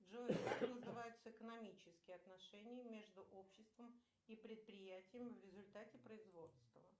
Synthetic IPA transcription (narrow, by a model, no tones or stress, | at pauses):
ʐot̪nəzɨvajʊt̪səɪkənɐmʲit͡ɕɪskʲɪjɐt̪nɐʂɛnʲɪjmʲe̞ʐd̪ʊʔopɕːɪst̪vəm | ipɾʲɪt̪̚pɾʲɪjætʲɪjəmvʲɾʲɪzʊlʲt̪atʲɪpɾəɪzvo̞t̪st̪və